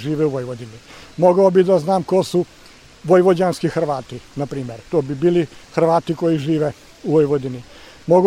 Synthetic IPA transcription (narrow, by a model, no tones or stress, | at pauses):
ʒiːʋeuʋojʋod̪inimoɡaobid̪aznaːmkosu | ʋojʋod͡ʑaːnskixr̩ʋaːt̪inapɾiːmeɾt̪oːbibiːlixɾ̩ʋaːt̪iko̞jiʒiːʋe | uʋojʋod̪ini | moɡ